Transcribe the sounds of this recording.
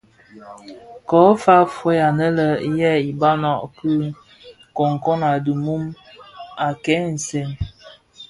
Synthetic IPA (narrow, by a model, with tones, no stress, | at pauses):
kɔ˨˦fa˦fwe˦ja˨nə˦lə˨˦jɛ˦i˨ba˦nɔ˨ʔpə˦ | ko˨ŋ˨ko˦na˨du˨mu˦m | a˨kɛ˨˦n̩˨se˨n